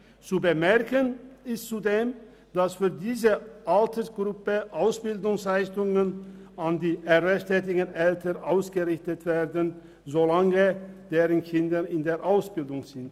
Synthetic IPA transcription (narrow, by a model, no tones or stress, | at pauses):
t͡subəmɛɐkənɪstt͡sudeːm | d̥asfyːɐdiːzəʔaltʰəsɡ̥ʁʊpəʔaʊsb̥ɪldʊŋslaɪçtʊŋənʔandiːʔɛʁɛstʰɛːt̬ɪɡən̩ʔɛltʰənʔaʊsɡ̥əʁɪçtətv̥eːɐdən | zolaŋəd̥eːʁənkʰɪndəɪndeːɐʔaʊsb̥ɪldʊŋz̥ɪnt